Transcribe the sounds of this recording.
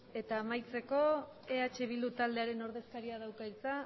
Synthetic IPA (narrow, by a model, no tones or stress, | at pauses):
e̞t̪aːmajt͡se̞ko̞ | eat͡ʃe̞β̞ild̪ut̪ald̪eaɾe̞no̞ɾð̞e̞skaɾiað̞awkait͡sa